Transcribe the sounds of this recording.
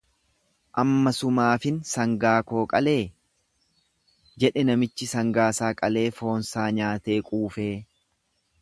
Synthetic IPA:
ʔɐmːɐsʊmaːfɪnsɐŋɡaːko̞ːkʼɐle̞ː | d͡ʒɛᶑɛnɐmɪt͡ʃːɪsɐŋɡaːsaːkʼɐle̞ːfo̞ːnsaːɲaːt̪e̞ːkʼuːfeː

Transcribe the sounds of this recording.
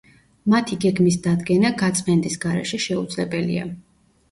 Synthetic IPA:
mat̪ʰiɡɛɡmisd̪ad̪ɡɛnaɡat̪sʼqʼɛnd̪ʼisɡaɾɛ̰ʃɛʃɛud̪zlɛbɛlḭa̰

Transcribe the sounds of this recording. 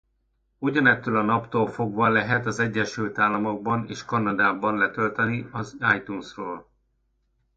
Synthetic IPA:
uɟɒnɛt̪ːøːlɒnɒpt̪oːlfo̞ɡʋɒlɛɦɛt̪ɒzɛɟːɛʃylt̪aːlːɒmo̞ɡ̚bɒneːʃkɒnɒd̪aːbɒnlɛt̪ølt̪ɛniɒzaːjt̪unsroːl

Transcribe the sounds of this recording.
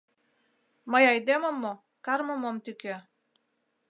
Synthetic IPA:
majɑjd̪emomːo | kɑrmomomt̪ykʲø

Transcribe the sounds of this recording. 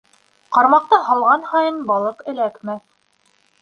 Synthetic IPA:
qɑɾmɑq̚t̪ɑɦɑlˠʁɑnhɑjɤnbɑlˠɤqɘ̆lækmæ

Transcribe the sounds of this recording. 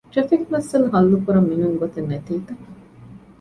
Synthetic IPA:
ʈefikʋɐsɐlɦɐlːukuɾɐmːinuŋɡot̪enet̪iːt̪ɐ

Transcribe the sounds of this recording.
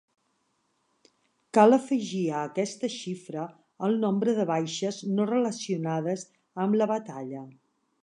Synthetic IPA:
kaləfəʒiəːkɛst̪əʃifɾəː | lˠnombɾəðəβajʃəznorələsiunað̞əz | əmləβət̪aʎə

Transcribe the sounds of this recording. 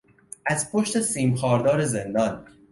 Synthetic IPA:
ʔæzpʰoʃt̪e̞siːmxɒːɾd̪ɒːɾe̞zend̪ɒn

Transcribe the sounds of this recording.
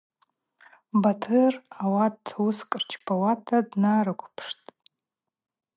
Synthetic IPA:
batʰɨrawadtʰwʊskʼrt͡ʃʰbʰawatʰadnaɾɨkʷʰpʰʂtʼ

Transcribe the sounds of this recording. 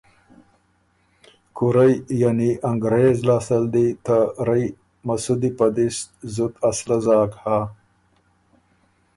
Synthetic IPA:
kuɾajjaniʔaŋɡɾeːzlaːsəld̪it̪aɾɐj | mɐsud̪ipad̪ist̪zut̪aslazaːkha

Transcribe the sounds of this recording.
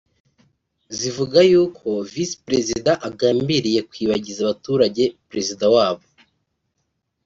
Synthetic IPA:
zivuɡajuːkʰo̞visi̥pɾe̞zidaʔaɡaːmbiɾije̞kwiːβaɟizaβatuːɾaɟe̞pɾe̞zidawaːβo

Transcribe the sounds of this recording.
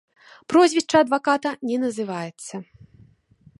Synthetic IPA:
pɾɔzʲvʲɛʂt͡ʂɐːd̪vakat̪ɐnʲɛnɐzɨvajɛt̪sːɐ

